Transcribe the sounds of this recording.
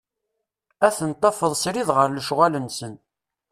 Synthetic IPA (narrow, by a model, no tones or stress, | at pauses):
æθənt̪ˤːɑfəðˤsɾiðʁəɾləʃʁælənsən